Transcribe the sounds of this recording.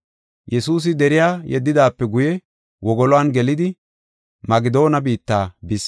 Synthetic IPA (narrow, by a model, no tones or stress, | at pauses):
jɛsuːs̬ɪd̪ɛɾɪjaːjɛ̰d̪ːɪd̪aːpːɛɡʊjɛ | wɔɡɔlɔanɡɛlɪd̪ɪ | mɐɡɪd̪o̞ːnɐbiːt̪ːaːbɪs